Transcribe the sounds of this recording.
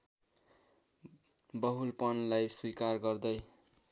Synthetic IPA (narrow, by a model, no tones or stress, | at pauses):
bʌɦulpʌnlajswikarɡʌrd̪ʌj